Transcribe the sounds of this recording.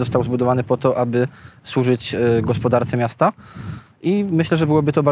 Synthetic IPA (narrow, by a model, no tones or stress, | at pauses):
ɔst̪awzbud̪ɔvanɘpɔt̪ɔʔabɘswuʐɘt͡ɕɡɔspɔd̪aɾt̪sɛmʲjast̪a | ʔimɘɕlɛʐɛbɘwɔbɘt̪ɔba